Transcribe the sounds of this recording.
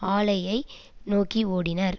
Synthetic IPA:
aːlɐjɐɪ | noːkioːɽɪnɐɾ

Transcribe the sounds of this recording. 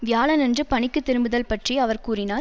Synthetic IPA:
ʋɪjaːlɐnɛndrɯpɐɳɪkːɯt̪ːɪɾɯmbɯðɐlpɐʈrijɐʋɐɾkuːrɪnaːɾ

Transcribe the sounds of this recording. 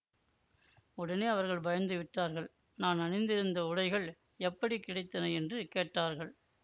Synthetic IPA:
ʊɽɐneːɐʋɐɾɣɐɭbɐjɐnd̪ɯʋɪʈːaːɾɣɐɭ | naːnɐnɪnd̪ɪɾɯnd̪ɐʊɽɐɪɣɐɭ | ɛpːɐɽikːɪɽɐɪt̪ːɐnɐɛndrɯkeːʈːaːɾɣɐɭ

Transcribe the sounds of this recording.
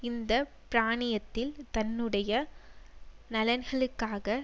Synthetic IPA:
ɪnd̪ɐ | pɪɾaːɳɪjɐt̪ːɪlt̪ɐnːɯɽɐjɐ | nɐlɐnɣɐɭɯkːaːɣɐ

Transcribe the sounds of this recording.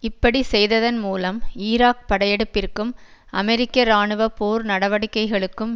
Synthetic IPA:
ɪpːɐɽisɛjðɐðɐnmuːlɐmiːɾaːk̚pɐɽɐjɛɽɯpːɪrkːɯmʔɐmɛɾɪkːɐɾaːɳɯʋɐpoːɾnɐɽɐʋɐɽɪkːɐɪɣɐɭɯkːɯm

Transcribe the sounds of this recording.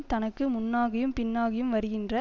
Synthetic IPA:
t̪ɐnɐkːɯmʊnːaːɣɐjɯmpɪnːaːɣɐjɯmʋɐɾɯɣɪndrɐ

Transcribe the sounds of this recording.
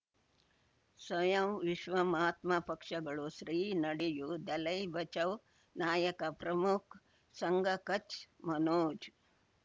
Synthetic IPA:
swɐjɐmʋiʃʋɐmaːt̪mɐpɐkʂɐɡɐɭuʃɾiːnɐɽijud̪ɐlɐjbɐt͡ʃɐw | naːjɐkɐpɾɐmukʰ | sɐŋɡʱɐkɐt͡ʃmɐnoːd͡ʒ

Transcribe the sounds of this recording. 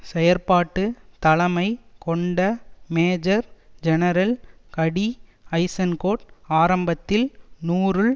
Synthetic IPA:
sɛjɐɾpaːʈːɯt̪ɐlɐmɐɪkɔɳɖɐmeːd͡ʒɐɾd͡ʒɛnɐɾɐlkɐɽiɐɪsɐnkoːʈaːɾɐmbɐt̪ːɪlnuːɾɯɭ

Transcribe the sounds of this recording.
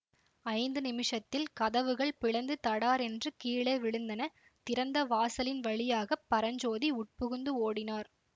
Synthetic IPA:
ɐɪnd̪ɯnɪmɪʂɐt̪ːɪlkɐðɐʋɯɣɐɭpɪɻɐnd̪ɯt̪ɐɽaːɾɛndrɯkiːɭeːʋɪɻɯnd̪ɐnɐ | t̪ɪɾɐnd̪ɐʋaːsɐlɪnʋɐɭɪjaːɣɐpːɐɾɐɲd͡ʒoːðiʊʈ̚pʊɣɯnd̪ɯoːɽɪnaːɾ

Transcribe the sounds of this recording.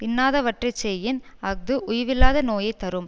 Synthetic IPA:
pɪnːaːðɐʋɐʈrɐt͡ʃːeːjɪnɐɡ̚d̪ɯʔʊjɐʋɪlːaːðɐnoːjɐɪt̪ːɐɾɯm

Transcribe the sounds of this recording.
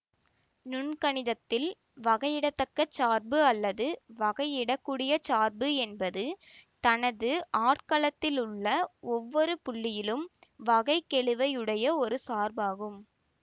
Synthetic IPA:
nʊɳkɐɳɪðɐt̪ːɪl | ʋɐɣɐjɪɽɐt̪ːɐkːɐt͡ʃːaːɾbɯɐlːɐðɯʋɐɣɐɪɪɽɐkːuːɽɪjɐt͡ʃaːɾbɯɛnbɐðɯt̪ɐnɐðɯʔaːʈkɐɭɐt̪ːɪlʊɭːɐɔʋːɔɾɯpʊɭːɪjɪlɯmʋɐɣɐɪkːɛɭɯʋɐɪɯɽɐjɐɔɾɯsaːɾbaːɣɯm

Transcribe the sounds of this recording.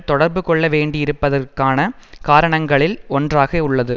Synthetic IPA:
t̪ɔɽɐɾbɯkɔɭːɐʋeːɳɖɪjɪɾɯpːɐðɐrkaːnɐkaːɾɐɳɐŋɡɐɭɪlɔndraːɣɐʊɭːɐðɯ

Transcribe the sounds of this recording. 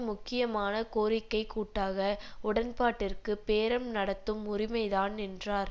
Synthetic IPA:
mʊkːɪjɐmaːnɐkoːɾɪkːɐɪkuːʈːaːɣɐʊɽɐnpaːʈːɪrkɯpeːɾɐmnɐɽɐt̪ːɯmʊrɪmɐɪðaːnɛndraːɾ

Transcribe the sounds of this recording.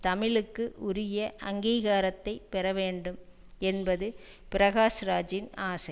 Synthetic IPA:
t̪ɐmɪlɯkːɯʔʊɾɪjɐʔɐŋɡiːɣaːɾɐt̪ːɐɪpɛɾɐʋeːɳɖɯm | ɛnbɐðɯ | pɪɾɐɣaːsɾaːd͡ʒɪnaːsɐɪ

